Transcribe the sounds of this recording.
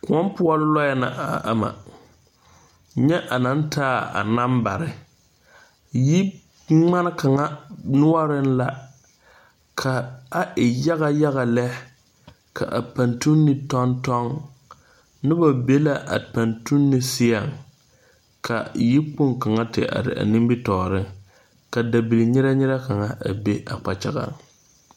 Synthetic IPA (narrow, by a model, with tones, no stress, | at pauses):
kʊ˨ɔ˦m˦pʊ˦ɔ˦lʊ˦lɔ˦jɛ˦na̰˨a˨ʔa̰˨ma̰˨ | ɲɛ˦ʔa˨na˦n˦tʰaː˦a̰˨na˦mba˨ɾɪ˨ | ji˦ | ŋ͡ma˦nɪ˦ka˨ŋa˦nʊ˦ɔ˦ɾɪ˦n˦la˦ | kʰa˨a˦ʔɪ˨ja˦ɣa˦ja˦ɣa˨lɛ˦ | kʰa̰˨ʔa̰˨pa˨ntu˦nːɪ˨tɔ˦ntɔ˦ŋ | nɪ˦ba˨be˦la˨ʔa̰˨pa˨ntu˦nːɪ˨˦sɪ˦ja˨ŋ | kʰa̰˨ji˦k͡po˦ŋka˨ŋa˦tɪ̰˨ʔa̰˨ɾɪ̰˨a̰˨nɪ̃˦mbɪ˦tɔː˨ɾɪ˦ŋ | ka˨da˨bi˨li˨ɲɪ˦ɾa˦ɲɪ˦ɾa˦ka˨ŋa˦ʔa̰˨be˦a̰˨k͡pa˨t͡ʃa˨ɣa̰˦ŋ